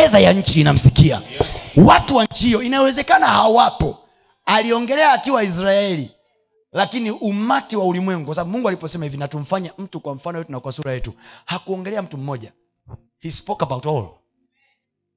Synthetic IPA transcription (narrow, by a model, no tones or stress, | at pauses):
ɛðajaɲ̩t͡ʃiːnam̩sikia̰watuwaɲ̩t͡ʃihijɔinajɔwɛzɛkanahawapɔ | aliɔŋɡɛlɛaːkiwais̬ɾaɛli | lakiniʔum̩matiwaulimwɛŋɡukwas̬aaɓumuŋɡualipɔsɛmahivinatum̩faɲam̩tukwam̩fanɔjɛtunakwasuɾajɛtuhakuɔŋɡɛlɛam̩tum̩mɔʄa | hispɔkabautɔɔlɔ